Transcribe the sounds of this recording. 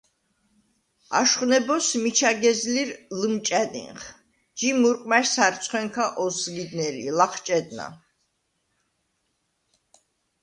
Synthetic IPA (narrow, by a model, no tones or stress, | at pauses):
a̰ʃχwnɛbɔsmit͡ʃʰaɡɛzliɾlmt͡ʃʼɛd̪ḭnχ | d͡ʒimuɾqʼmaʃsaɾt̪sʰʼχwɛŋkʰaʔɔsɡid̪nɛlḭlaχʰt͡ʃʼɛd̪na̰